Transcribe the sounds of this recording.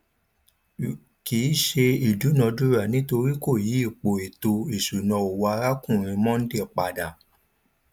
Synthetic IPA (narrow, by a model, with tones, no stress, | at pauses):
ki˨˦ʃe˧i˨du˨˦nã˧du˦ɾa˨nĩ˨˦to˧ɾi˦ko˦˨ji˨˦i˦˨k͡po˨e˨to˧i˨ʃu˨nã˧o˨wa˧a˧ɾa˦kũ˦˨ɾ̃ĩ˧mɔ̃˦n̩˦dɛ˦˨k͡pa˨da˨